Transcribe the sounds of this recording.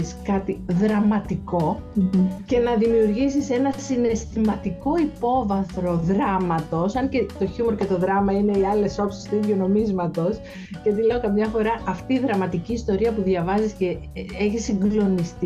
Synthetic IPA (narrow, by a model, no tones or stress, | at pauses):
skɐt̪iðɾɐmɐt̪iko̞ | ce̞nɐðimiuɾʝisise̞nɐsine̞st̪imɐt̪iko̞ipo̞vɐθɾo̞ðɾɐmɐt̪o̞sɐɲce̞t̪o̞çumoɾcet̪o̞ðɾɐmɐine̞iɐle̞so̞psi̥st̪uiðʝono̞mizmɐt̪o̞s | ceɐt̪ile̞o̞kɐmɲɐfo̞ɾɐɐft̪iːðɾɐmɐt̪iciːst̪o̞ɾiɐpuðʝɐvɐzisce̞ | eçisːiŋɡlo̞nist̪